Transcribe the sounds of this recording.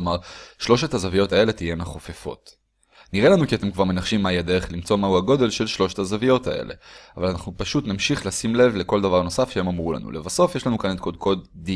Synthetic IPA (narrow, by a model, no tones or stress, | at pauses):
maʁʃlo̞ʃet̪hazavijo̞t̪ae̞le̞t̪ijenaχofefo̞̰t̪ | niʁe̞lanukiat̪e̞mkvaʁme̞naχʃimːajad̪eʁeχlimt͡so̞mauhaɡo̞d̪e̞lʃe̞lʃlo̞ʃet̪hazavijo̞t̪ae̞̰lʔe̞̰avalanaχnupaʃut̪namʃiχlasimle̞vle̞ko̞ld̪avaʁno̞safʃehemamʁula̰nṵlevaso̞fje̞ʃlanukaned̪kodkʰo̞t̪d̪i